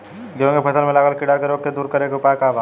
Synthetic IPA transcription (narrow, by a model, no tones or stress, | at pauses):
ɡõːkepʰɐsəlmẽlaːɡəlkɪɽakeɾoːkːed̪uːɾkɐɾeːkeʊpaːkaːʋaː